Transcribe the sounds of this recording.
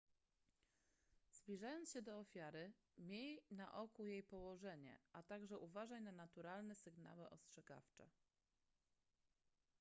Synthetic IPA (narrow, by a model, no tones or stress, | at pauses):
z̥blʲiʐajɔnt̪ɕɛd̪ɔːfʲjaɾɘ | mʲjejna̰ʔɔkujejpɔwɔʐɛɲɛ̰ʔat̪aɡʐɛʔuvaʐajnanat̪uɾalnɛsɘɡna̰wɛʔɔstʂɛɡa̰ft͡ʂɛ̰